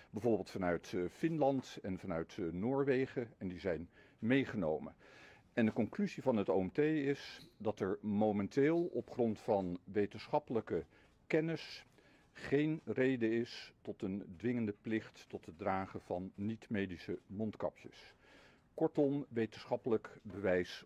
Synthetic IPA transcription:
bəvoːɹbɪːlˠtfɑnœɥtfɪnlɑntɛnvɑnœɥtnoːɹʋejχəɛndizɛjn | mejχəno̰wmə | ɛndəkɔŋklyzivɑnɦətowɛmtejɪsdɑtɛɹmomɛnteːlˠɔpχrɔntfɑnʋejtənsχɑpələkə | kɛnɪs | χejnrejdəɪstɔtəndʋɪŋəndəplɪχtːɔtɦədraːχəv̥ɑnːitmejdisəmɔntkɑ̰pjə̰s | kɔɹtɔmʋejtənsχɑpələkbəʋɛjs

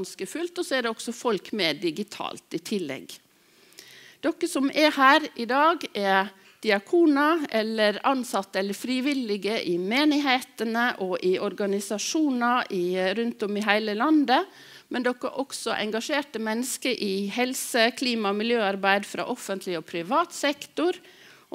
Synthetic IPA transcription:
nskəfʉlt̪ɔsɔæɖɛɔksɔfɔlkmeːd̪ɪɡɪt̪ʰɑ̰ːlt̪ɪt̪ʰɪlːɛ̰ɡ | d̪̥ɔkːəsɔmʔɛhæːɾɪd̪ɑːɡɛ | d̪̥ɪɑkʰuːnɑʔɛlːəɾɑnsɑt̪ːəɛlːəɾfɾiʋɪlɪɡəʔɪmeːnɪɦeːt̪ənəʔɔʔɪɔɾɡɑnɪsɑʂuːnɑɪɾʉnt̪ɔmɪɦæɪləlɑnd̪ə | mʔɛnd̪ɔkːə̰ʔɔksɔʔɛ̰ŋɡɑʂeːʈəmɛnːəskəʔɪhɛlsəkʰliːmɑɔmɪljøːɑɾbæɪd̪fɾɑ̰ːʔɔfənt̪ʰlɪɔpʰɾɪʋɑːt̪sɛkt̪ʊɾ

